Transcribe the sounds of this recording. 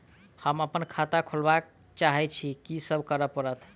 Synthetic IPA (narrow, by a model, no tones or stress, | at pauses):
həməpənkʰat̪akʰolbak | t͡ʃaɦɛt͡ʃʰikisəbʱkəɾəpəɾət̪ʰ